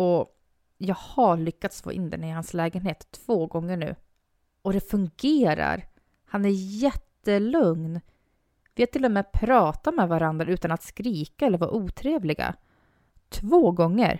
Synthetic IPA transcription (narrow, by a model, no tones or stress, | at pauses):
ɔ | jɑːɡhaɭʏkːat̪sfo̰ːʔɪ̰nd̪ɛ̰nəɪhanslɛːɡənheːt̪ʰːv̥oːɡɔŋːəɳʉ̟ː | ɔd̪ɛfɵŋɡeːɾa̰ɾ | hanæɾjɛt̪ːəlɵŋn | vɪat̪ʰɪlːɔmɛːpʰɾɑːt̪amɛvaɾand̪ɾaʉ̟ːt̪anat̪skɾiːkaɛlːəɾvɑ̰ːʔuːt̪ʰɾeːvlɪɡa̰ | t̪ʰvoːɡɔŋːə̰ɾ